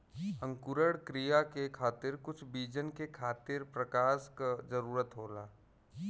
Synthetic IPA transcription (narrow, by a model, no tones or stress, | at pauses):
ə̃ŋkʊɾəɽkɾijakekʰaːt̪ɪɾkʊt͡ʃʰbiːd͡ʒənkekʰaːt̪ɪɾpɾɐkaːʃkazɐɾuːɾət̪ɦoːla̰ː